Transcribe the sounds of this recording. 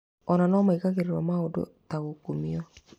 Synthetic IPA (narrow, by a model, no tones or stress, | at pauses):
ɔnanɔmaikaɣeɾeɾwamaodo̰taɣokumiɔ